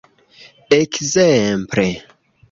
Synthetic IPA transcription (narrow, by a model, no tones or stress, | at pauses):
ekzempɾe